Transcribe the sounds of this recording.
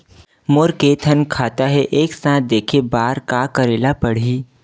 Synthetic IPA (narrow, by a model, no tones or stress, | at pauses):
moːɾkeːt̪ʰənkʰaːt̪aɦɛʔeːksãːt̪̚d̪eːkʰebaːɾkakəɾeːlapəɽ̤iː